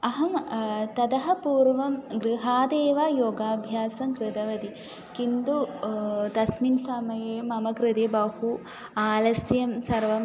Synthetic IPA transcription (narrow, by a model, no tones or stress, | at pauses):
ɐɦɐmt̪ɐd̪ɐɦɐpuːɾʋɐmɡɾɪɦaːd̪eːʋaːjoːɡaːbʱjaːsɐmkɾɪd̪ɐʋɐd̪i | kind̪ut̪ɐsminsɐmɐjeːmɐmɐkɾɪt̪ebɐhu | aːlɐst̪jɐmsɐɾʋɐm